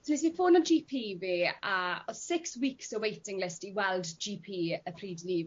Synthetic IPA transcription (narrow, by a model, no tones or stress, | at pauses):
soɪs̬ifoːnənd͡ʒiːpʰiːviːaɔ̥sɪkswiːksəwejtɪ̃ŋlɪstiwɛlˠdd͡ʒiːpʰiːəpʰriːdɪliːv